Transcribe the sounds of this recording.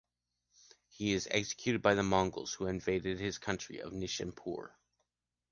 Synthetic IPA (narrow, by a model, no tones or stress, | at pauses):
hiɪzɛ̰ksɨ̥kʰj̥ʉɾɨd̚baɪðəmɑ̃ŋɡl̩ˠz̥huɨ̃ɱveɪɾɨd̚ɨz̥kʰʌ̃nt͡ʃɹ̥ḭʌ̰vnɪʃɨ̰̃npʰʊ̰ɹ